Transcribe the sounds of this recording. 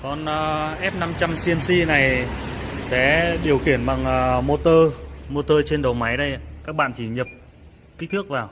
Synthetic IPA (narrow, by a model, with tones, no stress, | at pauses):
kɔ˨˩nʔəː˨˩ʔɛ˦˥p̚na˧mt͡ɕa˧msi˧ənsi˧na˨˩j | sɛ̰˧˥ɗi˨˩əwxi˧˩ənɓa˨˩ŋʔəː˨˩mo˧t̪əː˧mo˧t̪əː˧t͡ɕe˧nɗə˨˩wma˨˦jɗə˧jkaː˦˥k̚ɓa̰ː˧˨nt͡ɕi˧˩ɲə˨˩p̚ | ki˦˥t̪ʰɨ˦˥ək̚vaː˨˩w